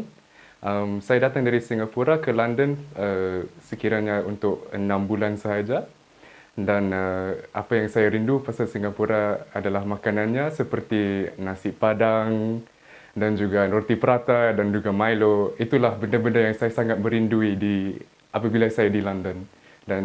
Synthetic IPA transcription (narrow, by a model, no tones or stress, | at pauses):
ʔəmsajadat̪aŋdaɾisiŋapuɾakəlandənəsəkiɾaɲaunt̪ʊk̚ənãmbulansəɦad͡ʒa | danəapajaŋsajaɾindupasalsiŋapuɾaadalahmakananɲasəpərt̪inasɪʔpadaŋ | dand͡ʒuɡaort̪ipəɾat̪adand͡ʒuɡamajloit̪ulahbəndabəndajaŋsajasaŋat̪̚bəɾinduidi | ʔapabilasajadilandən | dan